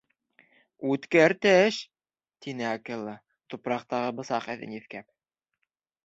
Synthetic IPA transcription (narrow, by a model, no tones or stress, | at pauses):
ʉt̪kæɾt̪æʃ | t̪inɘɑkɘlˠːɤ | t̪upɾɑq̚t̪ɑʁɤbɤ̆sɑqæ̰ðɘ̰̆niθkæp̚